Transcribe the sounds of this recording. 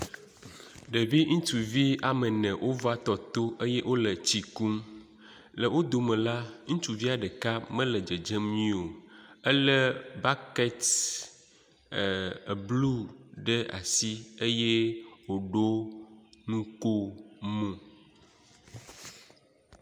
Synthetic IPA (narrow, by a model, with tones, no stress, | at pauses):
ɖe˨vi˦ŋũ˦t͡ʃu˨vi˦a˨mə˨nɛ̃˨wʔo˦va˦t̪ɔ˨t̪o˦ʔe˦jɛ˦ʔo˦lə˨t͡ɕi˨ku˦m | lə˨wo˦d̪o˨mɛ̃˨la˦ŋũ˦t͡ʃu˨vi˦a˨ɖə˨ka˦mɛ̃˦lə˨d͡ʒə˨d͡ʒe˦mɲĩ˦o˨ə˦lə˦ba˦kɛ˦t | blu˦ɖə˦a̰˨si˦e˦jɛ˦wo˨ɖo˦ | nũ˦ko˦mũ˨